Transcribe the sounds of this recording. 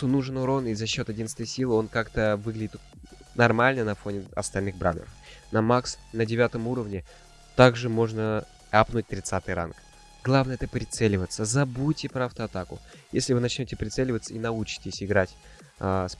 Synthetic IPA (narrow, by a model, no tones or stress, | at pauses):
t̪unuʐɨnʊɾo̞nizɐɕːo̞t̪ɐdʲinst̪vəjsʲilˠɨo̞nkakt̪əvɨɡlʲɪdʲɪt̪ | nɐrmalʲnənɐfo̞nʲɪɐ̰st̪ɐlʲnɨɣbɾa̰nʲə̰ɾə̰fnɐmaksnədʲɪvʲat̪əmuɾəvnʲɪ | t̪aɡʐɨmo̞ʐnə | apnʊt̚ʲt̪ɾʲɪt̪sat̪ɨjɾa̰nk | ɡ̥lˠavnəjɛt̪əpɾʲɪt̪sɛlʲɪvət̪səzɐbutʲɪpɾəɐft̪əɐt̪akʊ | jesʲlʲɪvɨnɐt͡ɕnʲotʲɪpɾʲɪt̪sɛlʲɪvət̪səinɐut͡ɕɪ̥tʲɪsʲɪɡɾatʲː | s